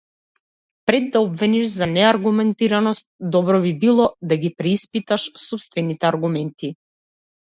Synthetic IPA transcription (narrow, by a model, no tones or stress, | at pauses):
pɾɛd̪ːaɔbvɛniʃzanɛaɾɡumɛnt̪iɾanɔst̪̚d̪ɔbɾɔbibilˠɔd̪aɡipɾɛispit̪aʃsɔpst̪vɛnit̪ɛaɾɡumɛnt̪i